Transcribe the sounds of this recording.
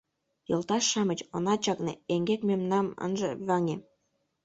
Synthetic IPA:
jolˠt̪ɑʃːɑmət͡ɕonɑt͡ɕɑknḛeŋɡekmemnɑmə̰nʒɤβɑŋe

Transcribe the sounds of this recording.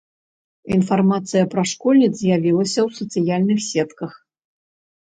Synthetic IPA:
infarmat̪sɨjɐpɾɐʂkɔlʲnʲid̪zzʲjavʲilˠɐsʲɐwsɐt̪sɨjalʲnɨxsʲɛt̪kɐx

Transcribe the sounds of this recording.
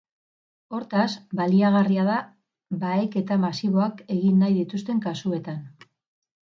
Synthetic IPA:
o̞ɾt̪asbaliaɣariaða | baeke̞t̪amasiβ̞o̞ake̞ɣinːajðit̪ust̪e̞ŋkasue̞t̪an

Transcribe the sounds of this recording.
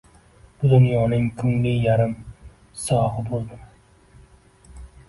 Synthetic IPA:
b̥ʊd̪ʊnjɒnɪŋkʰʊŋlɪjaɾɪm | sɒhɨbolˠd̪ɪm

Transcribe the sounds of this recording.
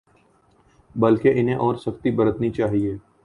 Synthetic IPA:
bɐlkeʔɪnɦẽʔɔːɾsɐxt̪ibɐɾət̪nit͡ʃaːɦieː

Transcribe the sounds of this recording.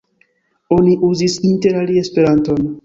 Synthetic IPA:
o̞niʔuzisinte̞ɾalie̞spe̞ɾanto̞n

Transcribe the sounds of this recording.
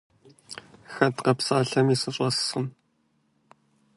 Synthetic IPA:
xɐt̪qɐpsaːɮɐmiːsɨɕʼɐssχəm

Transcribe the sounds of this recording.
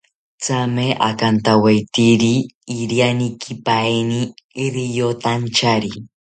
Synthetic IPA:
t͡sameʔa̰kant̪awajt̪iɾiː | ɾjanikʰipaeniɾijot̪ant͡ʃaɾi

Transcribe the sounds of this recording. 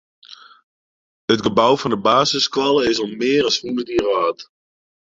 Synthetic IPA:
ətɡəbawfɔndəbaːzəskʋɑlˠəɪsɔlmɪəɾɔsfundədiəraːt

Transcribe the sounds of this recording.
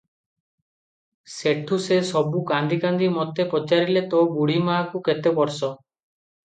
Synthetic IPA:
seʈʰusesɔbukand̪ikand̪imɔt̪ʰepɔt͡ʃaɾilet̪ɔbuɽimakuket̪epɔɾsɔ

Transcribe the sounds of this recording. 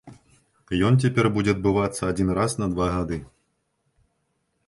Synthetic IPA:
jɔnt͡sʲɛpʲɛrbud͡zʲɛɐd̪̚bɨvat̪sːɐːd͡zʲinrasnɐd̪vaɣad̪ɨ

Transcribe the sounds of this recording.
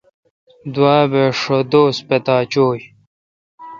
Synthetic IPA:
d̪waːbeʂod̪oːspet̪aːt͡ɕoːj

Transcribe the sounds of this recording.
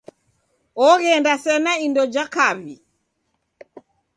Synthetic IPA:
ɔɣɛndasɛnaindɔd͡ʒakaβi

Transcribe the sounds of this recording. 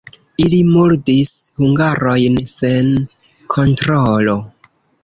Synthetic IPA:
ilimuɾdishuŋɡaɾo̞jnsen | kʰontɾolo̞

